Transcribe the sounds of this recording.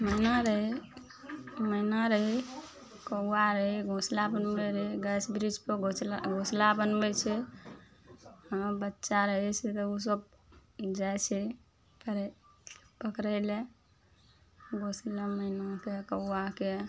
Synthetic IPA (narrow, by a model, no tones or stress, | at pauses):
məinaɾəɦe | məinaɾəɦi | kəːaɾəɦiɡʱoslabənbɛɾəɦiɡɛsbɾid͡ʒpəoɡʱoslabənbɛt͡ʃʰɛ | əbətːʃaɾəɦɛt͡ʃʰɛt̪ɔus̬əb | d͡ʒajt͡ʃʰɛ | pəɾɛ | pəkɾəle | ɡʱosleməinakekəwake